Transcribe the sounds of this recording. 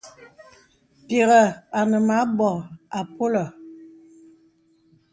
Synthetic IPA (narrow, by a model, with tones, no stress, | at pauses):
te˨ɣə˨a˨nə˨ma˨˦bɔ˨a˨po˦lɔ˨